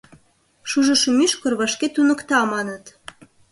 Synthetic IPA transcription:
ʃuʒə̆ʃə̆myʃkɤ̆rβɑʃket̪unə̆kt̪ɑmɑnə̆t̪

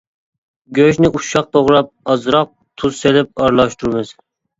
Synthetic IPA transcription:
ɡʲøʃnɪʔuʃɑq̚t̪ʰoʁɾɑp̚ɑzɾɑq̚ | t̪ʰuzselɪp̚ɑɾlˠɑʃt̪ʰuɾmɪz̥

